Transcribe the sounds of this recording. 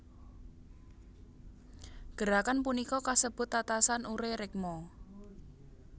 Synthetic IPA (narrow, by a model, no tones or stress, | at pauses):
ɡ̥əɾakanpunikɔkasəb̥ʊ̤t̪ːat̪asanʔuɾeɾɪk̚mɔ